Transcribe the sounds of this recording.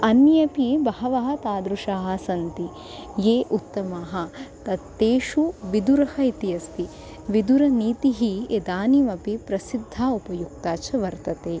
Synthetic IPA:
ɐnjɐpibɐɦɐʋɐɦɐt̪aːd̪ɾuʂaːɦɐ̆sɐnt̪i | jeːʔut̪ːɐmaːɦɐ̆t̪ɐt̪ːeːʃuʋid̪uɾɐhɐit̪ijɐspi | ʋid̪uɾɐniːt̪iɦied̪aːnimɐpipɾɐsid̪ʱːaːupɐjuk̚t̪aːt͡ʃɐʋɐɾt̪ɐt̪eː

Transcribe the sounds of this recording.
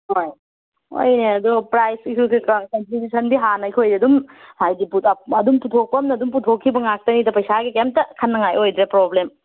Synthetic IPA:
hoj | o̰jneɐdupɾajskʰokikakɐntɾibjusɐnbiɦanɐijkʰojiɐdumhajdipuɐdumputʰok̚pɐmnɐːdumputʰokʰːibɐŋak̚tɐnidɐpɐjsaɡikem̚tɐkʰɐnːɐŋajojdɾepɾoblem

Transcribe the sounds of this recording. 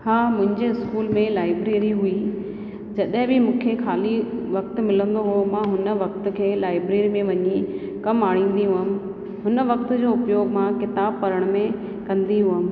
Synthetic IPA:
haːmʊ̃ɦɪ̃ɲd͡ʑeɪskuːlmẽlaːɪbɾeːɾiɦui | d͡ʑɐɗɦɪ̃bɪmũːkʰexʰaːliʋɐk̚t̪̆mɪlə̃nd̪oɦomãːɦʊnə̆ʋɐkt̪ʊ̆kʰeːlaːɪbɾeːɾimẽʋɐɲi | kɐmaːɽ̤̃ĩːn̆d̪iɦʊɦəmɪ̆ | ɦʊnʋɐk̚t̪ʊd͡ʑoːʊpjoːɡmãkɪt̪aːbpɐɾəɽ̃mẽ | kɐ̃nd̪iɦʊɦəmɪ̆

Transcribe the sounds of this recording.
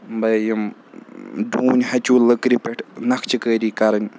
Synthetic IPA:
mbɐjim | duːnʲɦɐt͡ʃuːlɨkɾipeʈʰnɐkʰt͡ʃʰikəːɾiːkɐɾɐnʲ

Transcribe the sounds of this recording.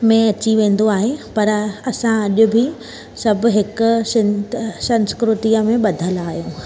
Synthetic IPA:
mẽɐt͡ɕiʋẽːn̆d̪oaːɦepɐɾɐsãɐʄʊ̆bʱɪ | sɐbʱʊ̆ɦɪkʊ̆sɪnsɐ̃nskɾʊt̪iəmẽɓɐd̪ʱəlaːɦijũː

